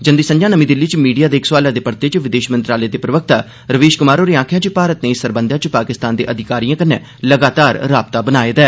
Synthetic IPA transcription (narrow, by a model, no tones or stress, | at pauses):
d͡ʒənd̪iːsə̃ɲd͡ʒãːnəmĩːd̪ɪlːiːt͡ʃmiːɖijaːd̪eːkʰswaːlãːd̪eːpəɾt̪eːt͡ʃʋɪd̪eːʃmənt̪ɾaːleːd̪eːpɾəʋək̚ʰt̪aː | ɾəʋeːʃkʊmaːɾoːɾeːãːkʰjãːt͡ʃəpaːɾət̪neːsəɾbənd̪ʱãːt͡ʃpaːkɪst̪aːnd̪eːʔəd̪ʱɪkaːɾijãːkənːɛ̰ː | ləɡaːt̪aːɾɾaːb̚t̪aːbənaːeːd̪ɛː